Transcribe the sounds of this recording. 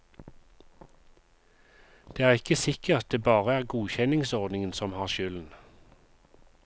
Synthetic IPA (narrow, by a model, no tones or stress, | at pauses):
d̪̥eːæːʁɪkəsɪkəɑt̪̚d̪eːbɑːʁəæːʁɡuːçɛnɪŋsɔʁd̪nɪŋənsɔmhɑːʁʃʏln̩